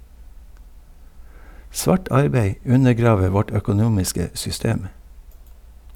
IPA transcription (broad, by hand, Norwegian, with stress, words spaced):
ˈsʋɑːʈ ˈɑɾbeɪ ˈʉnəˌɡɾɑːʋə ˈʋɔʈ œkʊˈnuːmɪskə sʏˈsteːm